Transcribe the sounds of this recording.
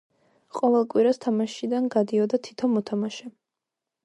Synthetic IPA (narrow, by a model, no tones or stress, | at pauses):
qʼɔvɛlˠkʼwiɾast̪ʰamaʃid̪anɡad̪iɔd̪at̪ʰi̥t̪ʰɔnmɔt̪ʰamaʃɛ